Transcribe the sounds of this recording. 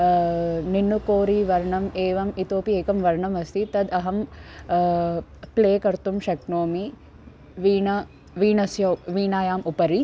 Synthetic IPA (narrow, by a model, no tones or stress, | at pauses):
ninːukoːɾiʋɐɾɳɐmeːʋɐmit̪oːpieːkɐmʋɐɾɳɐmɐst̪ʰit̪ɐd̪ɐɦɐm | kleːkɐɾt̪umʃɐknoːmi | ʋiːɳɐ | ʋiːnɐsjɐwʋiːnaːjaːmupɐɾi